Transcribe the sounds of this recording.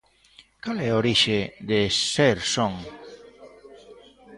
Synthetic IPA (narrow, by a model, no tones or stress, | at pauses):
kalɛoɾiʃed̪eseɾsoŋ